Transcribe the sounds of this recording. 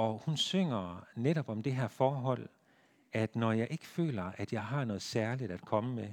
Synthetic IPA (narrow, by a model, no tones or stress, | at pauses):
ɒ̽hunsøŋ̰ɐneɾɒ̽b̥ɒ̽md̥e̝ɦæɐ̰fɒːɦɒ̽l̰ | æd̥nɒjɑ̈ɪʔe̝ɡ̥əfø̰ːlɐʔæd̥jɑ̈ɪɦɑ̈nɔ̽ːð̩ˠsæɐlid̥æd̥kʰɒ̽məme